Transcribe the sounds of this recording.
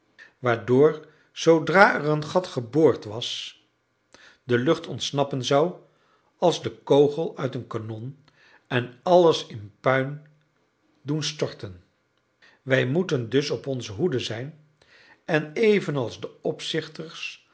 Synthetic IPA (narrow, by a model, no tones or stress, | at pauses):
ʋaːɹdʊːɹ | z̥odraːɛrənχɑtχəbʊːɹtʋɑs | dəlɵχtɔntsnɑpənzɑw | ɑlˠzdəkowχəlˠœɥtənkanɔn | ɛnɑləsɪnpœɥn | dunstɔɹtən | ʋɛjmutəndɵsɔpɔnzəɦudəzɛjn | ɛnejvənɑlˠzdəɔpsɪχtəɹs